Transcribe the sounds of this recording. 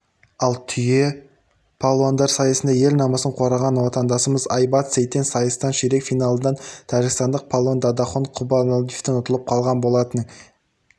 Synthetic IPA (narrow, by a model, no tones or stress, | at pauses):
ɑlˠt̪ʰʏje̞ | pʰolˠoand̪ɑɾsɑjəsənd̪ɑje̞lnɑmɑsəɴqʰo̞ɾɑʁɑnwo̞t̪ɑnd̪ɑsəməzɑjbɑt̪sejt̪ːensɑjəst̪ɑnʃeɾe̞kfijnɑlˠənɑnt̪ʰɑʒɪɡst̪ɑnd̪əq̚pʰalˠond̪ɑd̪ɑχoɴqʰʊbɑnod̪ift̪enʊt̪əlˠəp̚qʰɑlˠʁɑnbo̞lˠɑt̪ən